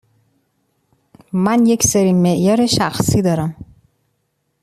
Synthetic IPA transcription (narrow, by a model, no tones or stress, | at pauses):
mænjecseɾiːmeʔjɒːɾeʃæxsiːd̪ɒːɾæm